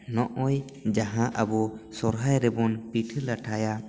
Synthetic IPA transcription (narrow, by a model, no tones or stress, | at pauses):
nɔʔɔj | d͡ʒaɦãʔəbɔsɔɾɦajɾɛbɔnpiʈʰəlaʈʰaja